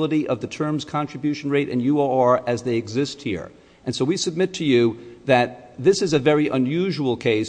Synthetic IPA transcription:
lˠəɾiʔʌvðɨtʰɜ̃˞mz̥kʰɑ̃ntɹ̥ɨbjʉʃn̩ɹeɪɾʔɨ̰̃njuoɑɹɨzðeɪɨɡzɪst̚hḭɹ | ʔɨ̃nsoʊwisɨb̚mɪtʰɨjʉðɨt̪̚ | ðɪsɨzɨvɛɹiʔə̃njʉʒuwl̩ˠkʰeɪs

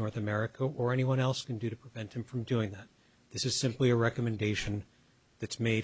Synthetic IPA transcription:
ɔɹθɨmɛɹɨkʰəʔə˞ɛniwʌ̃ɾ̃ɛlˠskɨ̃n̩dɨɾɨpʰɹ̥ɨvɛ̃nt̚hɨ̃ɱfɹʌ̃mdʉɪ̃ŋðæt̪̚ | ðɪsɨz̥sɪ̃mpliɨɹɛkɨmɨ̃ndeɪʃɨ̃n | ðɨtsmeɪ

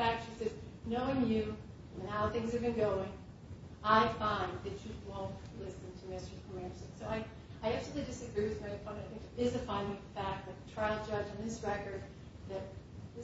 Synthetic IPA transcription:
æk̚tʃisɛznoʊɪ̃ŋjʉ̃ | aʊθɪ̃ŋz̥ɨvbɨ̃nɡoʊɪ̃ŋ | ʔaɪfãɪ̃nðɨt͡ʃɨwɔ̃ʊ̃ŋnʔlɪsɨ̃ntʰɨmɪstə̥˞kʰəmæ̃nɪ̃soʊaɪ | aɪæk̚t͡ʃʉl̩ˠidɪsɨɡɹiɹwɨðmaɪɨfʰʌ̃aɪθɪ̃ŋkɪzɨfãɪ̃ndɪ̃ŋʌðəfæk̚ðɨt̪̚ðɨtʰɹ̥aɪlˠd͡ʒʌd͡ʒɨ̃n̩ðɪsɹɛkə˞d̪̚ | ðɨt̪̚

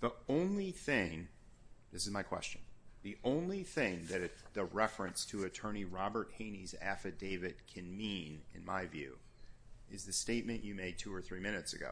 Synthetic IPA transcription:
ðiõʊ̃nliθɪ̃ŋ | ðɪsɨzmaɪkʰw̥ɛ̰st͡ʃɨ̃n̩ðiʔõʊ̃nliθɪ̃ŋðɨɾɨðɨɹɛfɹɨ̃nstʰɨɨtʰɜ̃˞ñiɹɑbə˞t̚hẽɪ̃nizæ̰fɨdeɪvɨd̚kʰɨ̃nmĩnɨ̰̃nmaɪvjʉ̰ | ɨzðɨsteɪt̚mɨ̃nt͡ʃɨmeɪd̚tʰʉə˞θɹimɪ̃nɨtsɨ̰ɡo̰ʊ

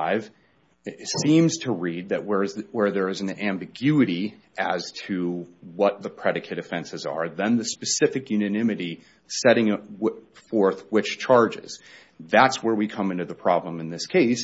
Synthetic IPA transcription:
ɪv̥ | sĩmz̥tʰəɹid̪̚ðɨʔ̚wə˞zwə˞ðə˞ɨz̃n̩æ̃mbɨɡjʉɨɾi | ʔɨz̥tʰɨwʌt̪̚ðəpʰɹ̥ɛɾɨkʰɨɾɨfɛ̃nsɨzə̰˞ðɨ̃nðɨspɨsɪfɨkjʉnɨnɪ̃mɨɾi | sɛɾɪ̃ŋɪt̚wfɔɹθwɨt͡ʃt͡ʃʰɑɹd͡ʒɪ̰z̥ | ðætswə˞wikʰʌ̃mɪ̃ntʉðəpʰɹ̥ɑblə̃mɨ̃nðɪskʰeɪs

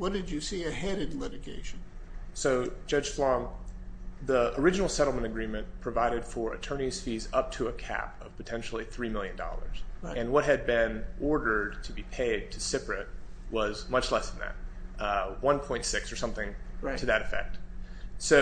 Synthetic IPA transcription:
wʌt̚d̥ɨd͡ʒɨsiɨhɛɾɨ̃dˡlɪɾɨɡḛɪʃn̩soʊ̥d͡ʒ̥ʌ̥ʒ̥flɔ̃ŋ | ðiə˞ɪd͡ʒɨnl̩ˠsɛɾl̩ˠmə̃ɾ̃ɨɡɹĩmɨ̃npʰɹ̥ɨvaɪɾɨd̥fə˞ɨ̰tʰɜ̃˞niz̥fizʌp̚tʰəəkʰæ̰pʌv̥pʰɨtʰɛ̃nʃl̩ˠiθɹimɪlˠjɨ̃ndɔ̰lˠə̰˞z̥ɨ̃nwʌt̚ɦɨd̚bɪ̃nʔɔɹɾə˞d̚tʰɨbipʰeɪd̚tʰɨsɪpɹɨt̚wʌzmʌt͡ʃlɛsðn̩ðɨ̰t̚ | wʌ̃npʰɔ̃ɪ̃ntsɪksə˞sʌ̃mθɪ̃ŋtʰɨðɨɾɨfɛ̰k̚t̚soʊ

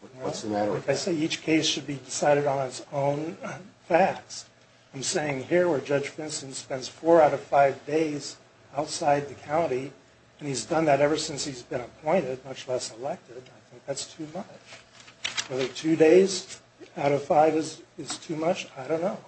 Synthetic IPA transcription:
wsmæɾaɪkaɪseɪit͡ʃkʰeɪsʃɨd̚bidɨsaɪɾɨɾn̩ɪtsõʊ̃nfæk̚s | ãɪ̃mseɪɪ̃ŋhiɹwə˞d͡ʒʌ̥d͡ʒ̥fɪ̃nsɨ̃n̩spɛ̃ndz̥fɔɹaʊɾʌv̥faɪvdeɪz | aʊtsaɪd̪̚ðɨkʰãʊ̃ɾi | ɨ̃nizdʌ̃nðɨɾɛvə˞sɪ̃nshizbɨ̃nəpʰɔ̃ɪ̃ɾ̃ɨd̚mʌt͡ʃlɛsəlɛk̚tɪdaɪθɪ̃ŋk̚ðætstʰʉmʌt͡ʃ | wɛðə˞tʰʉdeɪz | aʊɾʌv̥faɪvɨzɨz̥tʰʉmʌt͡ʃaɪɾõʊ̃nːoʊ

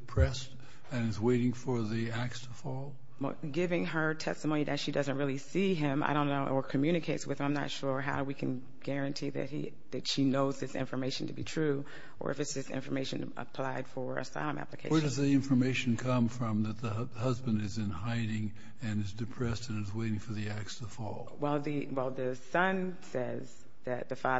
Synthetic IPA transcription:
pʰɹ̥ɛst | ɨ̃nɨzweɪɾɪ̃ŋfə˞ðiæk̚stʰəfɔlˠ | wɛ̰lˠ | ɡɪvɪ̃ŋə˞tʰɛ̰stəmõʊniðɨtʃidʌzɨ̃nt̚ɹɪlˠisiɪ̃ma̰ɪɾõʊ̃nːoʊʔə˞kʰɨmjʉɾ̃ɨkʰeɪtswɨð̥ə˞ãɪ̃mnɨ̰tʃʊɹɦaʊɾwikʰɨ̃n | ɡ̥ɛɹɨ̃ntʰiðɨ̰t̚hḭ | ðɨtʃinoʊzðɪsɪ̰̃ɱfə˞meɪʃn̩tʰɨbitʰɹ̥ʉ | ʔə̰˞ʔɨfɨtsðɪsɪ̰̃ɱfə˞meɪʃɨ̰̃n | ə̰pʰl̥aɪd̥fə˞ɨ̰sa̰ɪlˠə̃mæ̰plɨkʰḛɪwɛ˞ɾʌzðiɪ̃ɱfə˞meɪʃn̩kʰʌ̃ɱfɹʌ̃mðɨt̪̚ðəhʌzbɨ̃ndɨzɨ̃nhaɪɾɪ̃ŋ | ɨ̃nɨzdɨpʰɹ̥ɛstɨ̃nɨzweɪɾɪ̃ŋfə˞ðiæk̚sʌ̥fɔlˠwɛlˠðiwɛlˠðɨsʌ̃n | sɛz | ðɨt̪̚ðɨfɑð

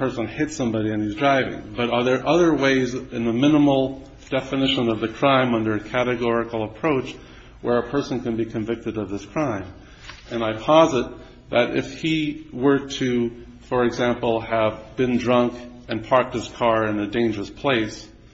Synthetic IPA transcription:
pʰɜ˞sə̃nhɪtsʌ̃mbɑɾiɨ̃nizdɹaɪvɪ̰̃ŋbʌɾə˞ðə˞ʔʌðə˞weɪzɨ̃nðəmɪ̃nəml̩ˠ | d̥ɛfɨnɪʃə̃nʌvðɨkʰɹ̥ãɪ̃mʌ̃ndə˞ɨkʰæɾɨɡɔɹɨkl̩ˠəpʰɹ̥oʊt͡ʃ | wʔə˞ɨpʰɜ˞sn̩kɨ̃nbikʰɨ̃ɱvɪk̚tɨɾʌvðɪskʰɹ̥ãɪ̃m | ɨ̃naɪpʰɑzɨt̪̚ | ðɨɾɪ̰fhiwə˞ɾɨ | fə˞ɨɡzæ̃mpl̩ˠɨvbɨ̃ndɹʌ̃ŋkɨ̃npʰɑɹk̚t̚hɨz̥kʰɑɹɨ̃nɨdẽɪ̃nd͡ʒə˞əspʰl̥eɪs

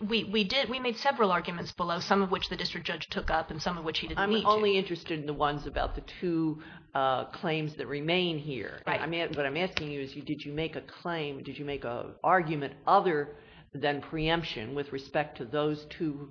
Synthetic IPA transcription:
wiwidɪd̚wimeɪd̥sɛvɹl̩ˠɑɹɡjmɨ̃ntsb̥əloʊsʌ̃mʌvwɨt͡ʃðɨdɪstɹ̥ɨk̚ʒ̥ʌ̥ʒ̥tʰʊkʌpɨ̃n̩sʌ̃mʌvwɨt͡ʃhidɨdãɪ̃miõʊ̃nliɪ̃nt͡ʃɹ̥ɨstɨɾn̩ðəwʌ̃nzɨbaʊt̪̚ðɨtʰʉ | kʰl̥ẽɪ̃mzðɨt̚ɹɨmẽɪ̃nɦḭɹɨ̃nã̰ɪ̃mæwʌɾãɪ̃mæskɪ̃ŋjɨɨzjɨdɨd͡ʒɨmeɪkɨkʰl̥ẽɪ̃mdɨd͡ʒɨmeɪkə̰ʔɑɹɡjɨmɨ̃ntʔʌðə˞ | ðɨ̃npʰɹ̥iʌ̃mpʃɨ̰̃nwɨðɹɨspɛk̚tʰɨðoʊz̥tʰʉ

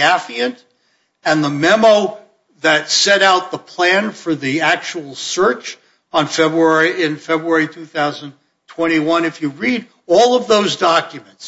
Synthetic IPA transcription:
æfiɨ̃nt | ɨ̃nðəmɛmoʊ | ðɨtsɛɾaʊt̪̚ðəpʰl̥æ̃nfə˞ðiæk̚t͡ʃuwl̩ˠsɜ˞t͡ʃ | n̩fɛbɹɛɹiɪ̃nfɛbɹuɛɹitʰʉθaʊzə̃n | tʰw̥ɛ̃ɾ̃iwʌ̃nɨfjɨɹiɾ | ɔlˠʌvðoʊzdɑkjɨmɨ̃nts

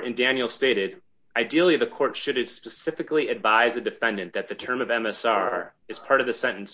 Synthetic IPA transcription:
ɾɨ̃ndæ̃njl̩ˠsteɪɾɪɾ | aɪdil̩ˠiðɨkʰɔɹtʃɨɾɨ̃spɨsɪfɨkliɨdvaɪzɨdɨfɛ̃ndɨ̃nðɨt̪̚ðɨtʰɜ̃˞mʌvɛ̃mɛsɑɹɨz̥pʰɑɹɾʌvðɨsɛ̃ɾ̃ɨ̃n̩s

